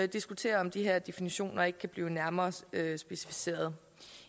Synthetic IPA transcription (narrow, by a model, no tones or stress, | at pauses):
d̥isɡ̥ut͡sʰe̝̰ːɐɒ̽md̥iɦeɐ̰d̥e̝finiɕo̝̰ːnɐe̝ɡ̥əkʰæb̥liːʊnæɐmɐːøsb̥e̝si̥fi̥se̝̰ːɐð̞ˠ